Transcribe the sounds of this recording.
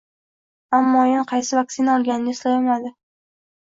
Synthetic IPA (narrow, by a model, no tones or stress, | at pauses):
amːɒjɪnqʰɑjsɪvak̚sinaɒlˠɡʲanɪnɪɪslajɒmad̪ɪ